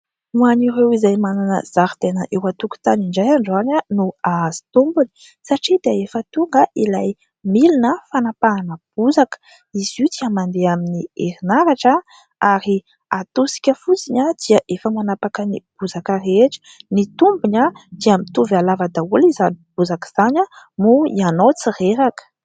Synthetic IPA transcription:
muaniɾewizajmananə̰z̥aɾi̥t̪enə̰ʔewat̪uku̥t̪aniɳɖ͡ʐajaɳɖ͡ʐananuaz̥i̥t̪umbuni̥ | saʈ͡ʂid̪eaefət̪uŋɡəʔilaj | milinəfanapaanəb̥uzakə̥ | iz̥iud̪iəmand̪eaminiḛɾinaɾaʈ͡ʂə | aɾi | at̪osi̥kʲəfut͡siɲəd̪̥iəʔefəmanapakənḭb̥uzakəreʈ͡ʂə̥nit̪umbuɲad̪̥iamit̪uvalavad̪aulizanib̥uzakəz̥aɲəmuianowt͡sireɾakə̥

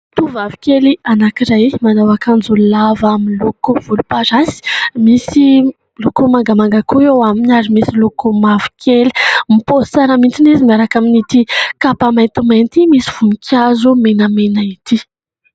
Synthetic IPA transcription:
t̪uvavi̥kelianakiɾajmanawakand͡zulavaminlokov̥ulupaɾasi̥misi | lokomaŋɡamaŋɡakʰoewaminaɾimisilokomavi̥kʰeli̥miposaɾamint͡sinizimiaɾakaminit̪ikapamajnt̪umant̪imisiv̥unikʰʲjazumenəmenait̪i

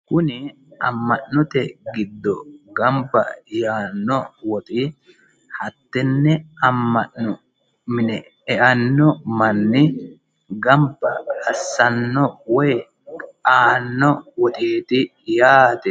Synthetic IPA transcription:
kʊnɪ | ɐ̰mːɐʔnɔt̪ɛɡɪd̪ːɔɡɐmbɐjaːnːɔwɔt̪ʼɪ | hɐt̪ːɛnːɛɐmːɐʔnɔ | mɪnɛ | ɛʔɐnːɔmɐnːɪ | ɡɐmbɐɐsːɐnːɔwɔj | aːnːɔwɔt̪ʼeːt̪ɪ | jaːt̪ɛ

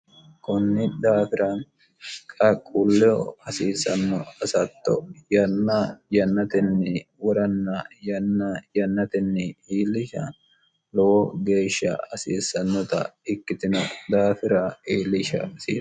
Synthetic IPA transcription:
kʊnːɪd̪aːfɪɾan | kʼɐkʼːulːɛɔɐsiːsɐnːɔɐsɐt̪ːɔ̰jɐnːɐjɐnːɐt̪ɪnːɪwɔɾɐnːɐjɐnːɐjɐnːɐt̪ɪnːɪiːlːɪʃɐ | lɔwɔɡe̞ːʃːɐ̰ɐsiːsːɐnːɔt̪ɐ̰ɪkːɪt̪ɪnɔd̪aːfɪɾɐiːlːɪʃɐ̰sḭː

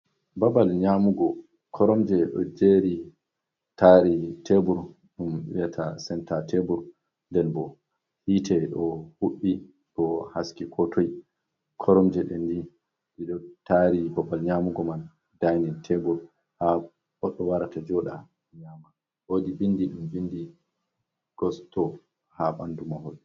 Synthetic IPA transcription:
babalɲamuɡɔ | kʰɔɾɔmd͡ʒɛɗɔ̰d͡ʒeːɾi | taɾitʰebuɾ | ɗumɓḭjatʰasɛntatʰebuɾ | ndɛlbɔ | hitʰɛɗɔhuɓːi | ɗɔhaskikʰɔtʰoji | kʰɔɾɔmd͡ʒɛɗɛndi | ɗiɗɔtaɾibɔbalɲamuɡɔman | dajnintʰebuɾ | ha | ɔɗɔwaɾatad͡ʒɔɗa | ɲama | woːɗiɓindiɗumbindi | ɡ̥ɔstɔ | haɓandumahol

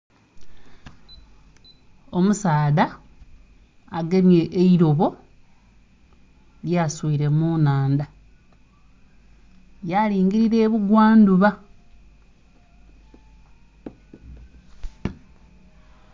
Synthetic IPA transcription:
o̞musaːða | aɡemje̞ʔeiɾo̞βo̞ | ljaswuiɾe̞muːnaːnd̪a | jaliːŋɡiɾiɾe̞ːβuɡwaːnduβa

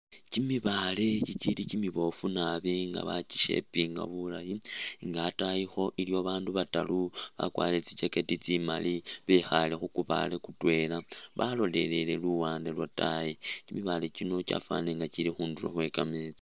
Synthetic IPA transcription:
cimiβale̞cit͡ʃilicimiβo̞funaβiŋɡa̰βat͡ʃi̥ʃe̞̰piŋɡa̰βulajiŋɡaːtajixo̞ʔilioβaːnduβataluβa̰kwa̰let͡sit͡ʃe̞ke̞tit͡sima̰liβexale̞xukuβa̰lekutwe̞laβalo̞le̞le̞le̞luwaːndelwatajicimiβale̞cino̞t͡ʃa̰fa̰neŋɡat͡ʃilixuːndulo̰xwe̞kamet͡sa

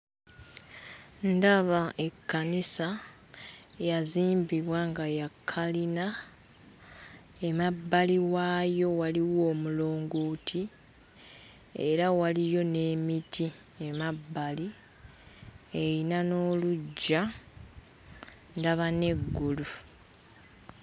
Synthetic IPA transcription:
ndaβaʔe̞kːanisa | jaziːmbiβwaŋɡajakʰːalina | emabːaliwaːjo̞waliwo̞ːmulo̞ːŋɡuːtʰi | ḛɾawalijo̞ne̞ːmitʰie̞mabːali | eɾinano̞ːluɟːa | ndaβane̞ɡːulu

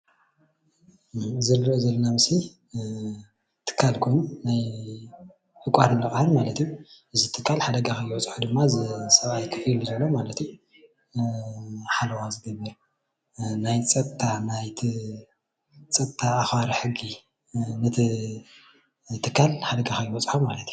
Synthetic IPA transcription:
zɨlɾɨʔozɐlːɐnamɨsi | t̪ʰɨ̥kʰːalkʰonunaj | ʔɨkʼaɾɨlɨχʼahɨnmalɐt̪ijuʔɨzit̪ʰɨkʰːalħad̪ɐɡakɐjwɔt͡sʼħud̪ɨmːazɨsɐβajkʰɨfilzɐlːomalɐt̪ju | ħalɐwazɨɡɐbːɨɾ | najt͡sʼɐt̪ʰːanajt̪ʰi | t͡sʼɐt̪ʰːaːxwaɾiħɨɡi | nɨt̪ʰi | t̪ʰɨkʰːalħad̪ɐɡakɐjɪbɔt͡sʼħumalɐt̪ʰju

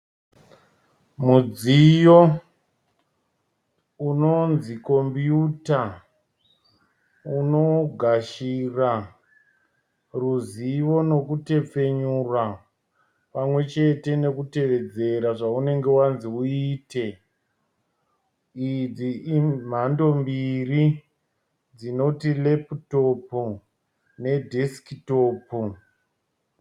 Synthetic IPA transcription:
mud͡zijo̞ | unonziko̞mbjuta | uno̞ɡʱaʃira | ruziʋo̞no̞kute̞p͡fe̞ɲurwa | pamwe̞t͡ʃe̞te̞ne̞kute̞ʋe̞d͡ze̞ɾaʐaune̞ŋɡe̞wanziuiːte̞ | id͡zim̤ando̞mbiri | d͡zino̞tile̞pto̞pu | ne̞dʱiskito̞ːpu

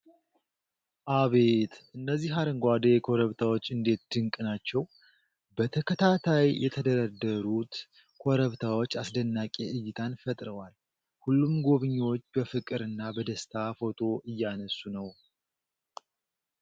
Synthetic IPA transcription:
ʔaβe̞t̪ʔɨnːəzːiɦaɾəŋɡʷad̪ekʰo̞ɾəβt̪ʰawo̞t͡ʃːɨnd̪e̞t̪d̪̥ɨŋkʼɨnat͡ʃːɛw | bət̪ʰəkʰət̪ʰat̪ʰajjʔɛ̰t̪ʰəd̪əɾəd̪ːəɾut̪ | kʰo̞ɾəβt̪ʰawo̞t͡ʃːasd̪ənːakʼe̞ʔɨjːɪt̪ʰanfət̪ʼɾəwal | hulːumɡo̞βɨɲːwot͡ʃːbəfɨkʼɨɾɨnːabəd̪əst̪ʰafo̞t̪ʰʼo̞ʔɨjːanəsːunəw

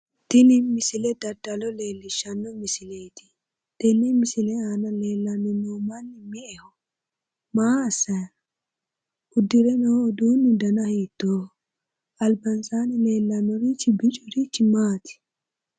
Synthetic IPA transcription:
d̪̥ɪnɪmɪsɪlɛd̪ɐd̪ɐlɔle̞ːlːɪʃːɐnːɔmɪsɪleːt̪ɪ̥ | d̪̥ɛnːɛmɪsɪlɛaːnɐle̞ːlːɐnːɔnoːmɐnːɪmɪʔɛhɔ | maːɐsːɐj | ʔʊd̪ːɪɾɛnowd̪uːnːɪd̪ɐnɐhiːt̪ːoː | ʔɐlbɐnsaːnɛle̞ːlːɐnːɔɾit͡ʃːɪbɪt͡ʃʼɔɾit͡ʃːɪmaːt̪ɪ̥

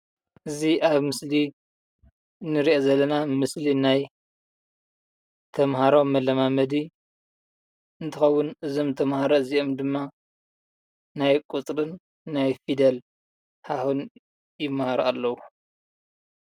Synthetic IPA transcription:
ʔɨziʔaβmɨsli | nːɨɾiʔozɐlːɐnamɨslinaj | t̪ʰɐmɦaɾomːɐlːɐmamɐd̪i | ɨnt̪ʰɨxɐwːʊnɨzo̞mt̪ʰɐmhaɾɐɨziʔomd̪ɨmːa | najkʼut͡sʼɾɨnː | ajfid̪ɐl | hahun | jɪmːahaɾalːɐwu

